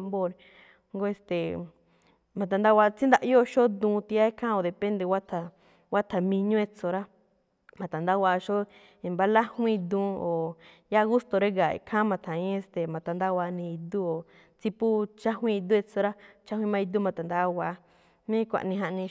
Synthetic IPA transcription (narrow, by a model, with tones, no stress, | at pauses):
mbo˦˨ɾe˧ | ŋɡo˦e˧st̪e˨ | mã˨t̪̬a˨nd̪a˦wa˧t͡si˦d̪a˧ʔjo˦ʃo˦d̪ũː˧˦t̪i˧˦a˦e˦kʰã˦o˨ðe˨pe˦nd̪e˧wa˦t̪ʰa˨ | wa˦t̪ʰa˨mĩ˧ɲũ˦e˧t͡so˧ɾa˦ | mã˨t̪a˨nd̪a˦wʷa˧ʃo˦ | e˨mba˧la˦hĩ˧d̪ũː˧o˨ | ja˦˧ɣu˦st̪o˧ɾe˦ɡa˨ḛ˨kʰã˦mã˧t̪ʰa˨ĩ˦e˧st̪e˨mã˨t̪a˨nd̪a˦˧wa˧nĩ˧i˧d̪u˦o˨ | t͡si˦pu˦t͡ʃa˦ɦw̃ĩ˦˧i˧d̪u˦e˧t͡so˧ɾa˦t͡ʃa˦hw̃ĩ˧mã˧i˧d̪u˦mã˨t̪a˨nd̪a˦˧wa˧˦ | nĩ˦kʷa̰˨ʔnĩ˧ɦã˧ʔnĩ˧